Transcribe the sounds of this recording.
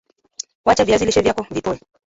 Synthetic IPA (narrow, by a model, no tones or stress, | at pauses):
wat͡ʃaviaziliʃɛvjakɔvitɔɛ